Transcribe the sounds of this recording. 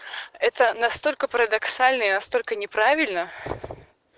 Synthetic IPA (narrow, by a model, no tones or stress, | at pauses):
ɛt̪ənɐst̪o̞lʲkəpəɾəd̪ɐksalʲnəinɐst̪o̞lʲkənʲɪpɾavʲɪlʲnə